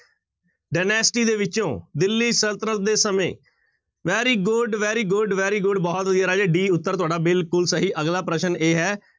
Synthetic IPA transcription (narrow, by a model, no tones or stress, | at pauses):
ɖaːnɛːsʈiːd̪eːʋɪt͡ʃõːd̪ɪlːiːsəlt̪ɾət̪̚d̪eːsəmḛ̃ː | ʋɛːɾiːɡʊɖʋɛːɾiːɡʊɖʋɛːɾiːɡʊɖbɔːt̪əd̪jaːɾaːd͡ʒeːɖiːʊt̪ːəɾt̪ʊaːɖaːbɪlkʊlsəɦiːʔəɡlaːpɾəʃəneːɦɛː